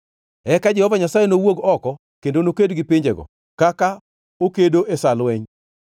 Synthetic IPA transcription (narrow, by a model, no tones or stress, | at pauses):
ɛkad͡ʒɛhɔvaɲasajenowoɡɔkɔ | kendonokedɡɪpɪɲd͡ʒeɡɔ̰ | kaka | okedoʔesalwɛɲ